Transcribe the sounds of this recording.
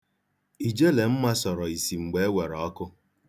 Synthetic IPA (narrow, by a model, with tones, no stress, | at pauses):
i˨d͡ʒe˦le˨m̩˦ma˦sɔ˨ɾɔ˨i˨si˨ŋ͡m̩˨ɡ͡be˨e˦we˨ɾɔ˨ɔ˦kʊ˦